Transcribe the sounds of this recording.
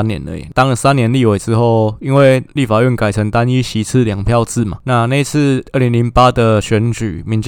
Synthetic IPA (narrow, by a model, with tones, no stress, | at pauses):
njɛ̰˧˦nə̰˧˨˩t̪ɑ˥ŋlə˨sa˥˦njɛ˧˦nli˥˨we˧˦ɪt͡sɹɻ̩˦xo˥˩ʊi˦nwe˥˩ɪly˥˩fa˨˩ɥɛ˥˩nka˨˩ɪt͡sʰə˧˥ŋt̪a˦ni˥ɕi˧˥t͡s̩ʰ˥˨ljɑ˨˩ŋpʰjɑ˥˧ʊt͡sɹ̩˥˩ma̰˨˩na˥˧na˥˧i˦t͡s̩ʰ˥˧ə˥˩li˧˥nli˧˥npa˦d̪ə˨ɕɥɛ˧˥nt͡ɕy̰˨˩mi˧˦ŋt͡ɕ